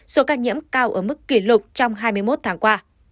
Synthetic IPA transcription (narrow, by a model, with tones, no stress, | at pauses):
so˨˦kaː˧ɲḭ˧˥əmkaː˧wʔəː˧˩m˦˥kːi˧˩lʊ˨˩k͡p̚t͡ɕɔ˧wŋ͡mɦaː˧jmɨ˧əjmo˦˥t̚t̪ʰaː˨˦ŋkwaː˧˩